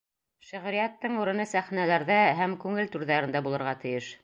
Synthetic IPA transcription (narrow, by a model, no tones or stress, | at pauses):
ʃɘ̆ʁɾijæt̪ːɤɴuɾɤ̆nɤsæχnælæɾðæɦæmkʉŋɘlt̪ʉɾðæɾɘ̆nd̪æbulˠɤ̆ɾʁɑt̪ɘ̆jɘʃ